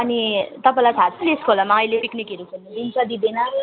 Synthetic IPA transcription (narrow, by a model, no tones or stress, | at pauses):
ʌnit̪ʌpãlat͡sʰat͡sʰʌneskoolamaʌilepiknikeɾukʰenibint͡sʌd̪id̪enʌ